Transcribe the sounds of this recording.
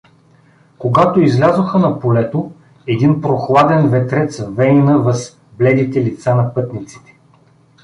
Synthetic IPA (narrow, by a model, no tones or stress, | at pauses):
koɡat̪oizlʲazoxənɐpolɛt̪o | ɛd̪inpɾoxlˠad̪ɛnvɛt̪ɾɛt̪svɛninəvəs | blɛd̪it̪ɛlit̪sanɐpɤt̪nit̪si̥t̪ɛ̥